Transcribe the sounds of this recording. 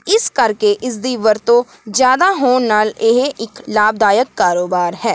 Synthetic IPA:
ɪskəɾkeʔɪs̬d̪iːʋəɾt̪õː | d͡ʒjaːd̪aːɦoːnnaːlɪɦeʔɪklaːbd̪aːjəkːaːɾoːbaːɾɦɛː

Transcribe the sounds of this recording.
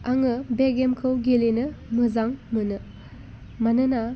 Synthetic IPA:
aŋɯbeɡemkʰɯwɡelenɯmɯzaŋmɯnɯ | manɯna

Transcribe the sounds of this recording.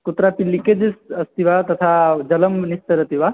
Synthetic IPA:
kut̪ɾapilːiked͡ʑisɐst̪iʋat̪ɐt̪ʰad͡ʒɐlɐmnist̪ɐɾɐt̪iʋa

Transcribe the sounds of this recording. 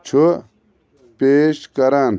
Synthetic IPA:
t͡ʃʰu | peːʃkɐɾan

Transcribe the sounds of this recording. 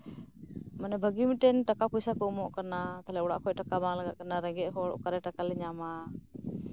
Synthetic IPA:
manɛbʱəɡimiʈɛnʈakapɔjsakɔumɔʔkanat̪alɛɔɽa̰ʔkʰɔʔʈakabaŋlaɡaʔkanaɾɛŋɡɛʔɦɔɽɔ̰kaɾɛʈakalɛɲama

